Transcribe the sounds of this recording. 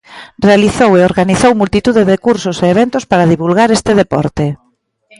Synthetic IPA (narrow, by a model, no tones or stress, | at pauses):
realiθoweoɾɣaniθowmult̪it̪uðeðekuɾsoseːβ̞ent̪ʊspaɾaðiβulɣaɾest̪ɪðepɔ̰ɾt̪e